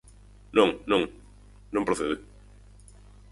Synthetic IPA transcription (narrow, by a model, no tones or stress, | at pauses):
nõŋnõŋ | nõmpɾoθeðɪ